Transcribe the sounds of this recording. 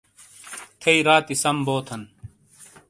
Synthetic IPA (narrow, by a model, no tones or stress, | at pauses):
t̪ʰɐiɾaːt̪isɐmboːt̪ʰɐn